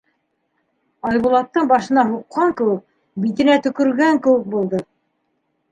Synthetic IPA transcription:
ɑjβulˠɑt̪ːɤɴbɑʃɤ̆nɑɦuqːɑŋkɘ̆wɘk̚ | bit̪ɘ̆næt̪ɵ̆kɵ̆ɾɡæŋkɘ̆wɘk̚bulˠd̪ɤ

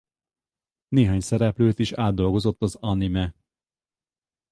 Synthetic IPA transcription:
neːɦaːɲsɛɾɛpløːt̪iʃaːd̪ːo̞lɡo̞zo̞t̪ːɒzɒnimɛ

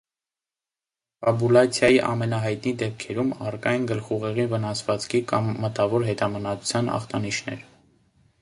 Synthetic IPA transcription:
pɑbulɑt͡sʰjɑjiʔɑmɛnɑɦɑjt̪nid̪ɛp̚kʰɛɾumɑrkɑjnɡəlχuʁɛʁivənɑsvɑt͡skʰikɑmːət̪ɑvɔɾɦɛt̪ɑmənɑt͡su̥t͡sʰjɑnɑ̰χt̪ɑniʃnɛ̰ɾ

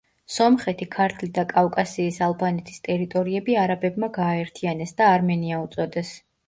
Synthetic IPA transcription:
sɔmχɛt̪ʰikʰaɾt̪ʰlid̪akʼavkʼasiːsalˠbanɛt̪ʰi̥st̪ʼɛɾit̪ʼɔɾiɛbiaɾabɛbmaɡaːɛɾt̪ʰianɛsd̪aːɾmɛniaut̪sʼɔd̪ɛs

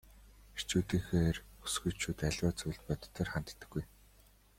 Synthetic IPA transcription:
ir̥t͡ɕuːt̪iːŋxeːru̥sɡŭt͡ɕʰːuːt̪æɮwaːt͡sʊɮt̪̚pɔt̪̆ʰt̪ʰeːrχant̪t̪ːə̆ɡuj

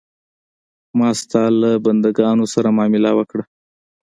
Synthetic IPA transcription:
mɑst̪ɑlaband̪aɡɑnosaɾamɑmɪlawəkɽa

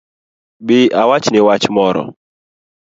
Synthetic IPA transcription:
bɪʔawat͡ʃnɪwat͡ʃmɔɾɔ̰

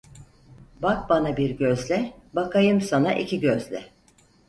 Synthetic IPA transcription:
bak̚banabiɾɟøzlʲɛbakʰajɯmsanaʔicʰiɟøzlʲɛ̰

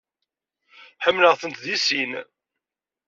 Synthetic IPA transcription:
ħəmːləʁθənt̪ðisin

